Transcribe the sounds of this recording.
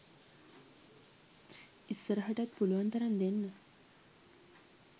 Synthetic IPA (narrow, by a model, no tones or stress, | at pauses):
isːəɾəɦəʈat̪̚puluʋant̪əɾand̪enːə